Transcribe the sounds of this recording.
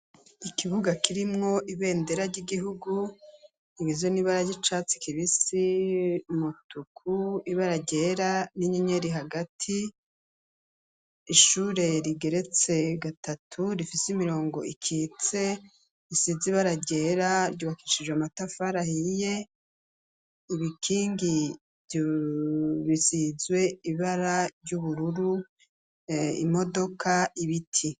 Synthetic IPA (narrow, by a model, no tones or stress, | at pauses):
ikiβuɡakiɾimŋo̞ʔiβe̞ːnde̞ɾaɾɟiɡiɦuɡu | iβizoniβaɾaɟit͡ʃaːt͡si̥kʰiβisi | mutukʰuiβaɾaɟe̞ɾaniɲeɲe̞ɾiɦaɡatʰi | ʃuɾe̞ɾiɡe̞ɾe̞t͡se̞ɡatʰatʰuɾifisimiɾo̞ːŋɡo̞̰ʔikʰit͡se̞ | ɾisiziβaɾaɟe̞ɾaɾɟuβakiʃid͡ʒweamatafaɾahije̞ | iβikʰiːŋɡi | βisizwe̞iβaɾaɾɟuβuɾuɾu | ḭmo̞do̞kaʔiβitʰi